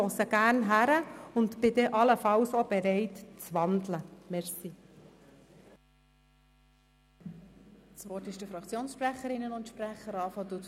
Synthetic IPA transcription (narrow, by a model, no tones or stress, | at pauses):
ɔsəɡ̥æɾnɦæɾəʊnt̪b̥ɪd̪ɛʔɑləfɑlsob̥ɛɾɛɪtt͡sʋɑnd̪ləmɛɾsi | sʋɔtɪʃd̥əfɾɑkt͡sjoːnsʃpræχəɾɪnːənʊntʃpræχəɾɑːfɔt̪u